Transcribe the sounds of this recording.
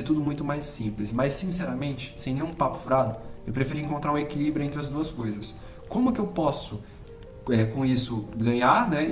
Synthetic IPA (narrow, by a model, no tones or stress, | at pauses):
eɾt̪ud̪ʊmũj̃t̪ʊmajsĩmplɪsmajsːĩsɛɾɐmẽnt͡ʃɪ̥sẽj̃nẽj̃ũpapʊ̥fɾad̪ʊewpɾefiɾiĩŋkõnt̪ɾaɾũekilibɾʊẽnt̪ɾɪɐzd̪uɐskojzɐs | kõmʊkɪewpɔsʊ | ɛkõisʊɡɐ̃ɲaɾnɛ